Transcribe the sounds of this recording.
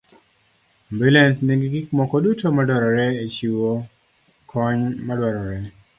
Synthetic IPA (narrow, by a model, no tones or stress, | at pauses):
mbilɛnsniɡiɡikmɔkɔdutomadwɔɾɔɾɛet͡ʃiwo | kʰɔɲmadwɔɾɔɾɛ